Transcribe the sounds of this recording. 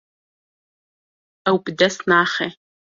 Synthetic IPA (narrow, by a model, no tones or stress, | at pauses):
awpʼdɐsnaːχe